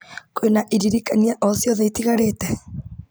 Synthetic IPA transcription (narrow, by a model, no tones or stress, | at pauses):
koenaʔiɾiɾikaniaʔɔsjɔðɛitiɣaɾetɛ